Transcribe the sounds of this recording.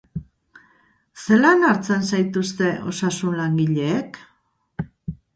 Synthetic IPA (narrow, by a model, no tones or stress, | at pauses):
se̞lanaɾt͡sensajt̪ust̪e̞ʔo̞̰sasunlaŋɡiʎe̞ːk